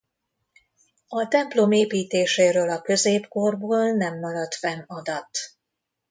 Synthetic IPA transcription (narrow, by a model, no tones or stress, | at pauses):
ɒt̪ɛmplo̞meːpiːt̪eːʃeːɾøːlɒkø̞zeːpkorboːlnɛmːɒɾɒt̪fɛnɒd̪ɒt̪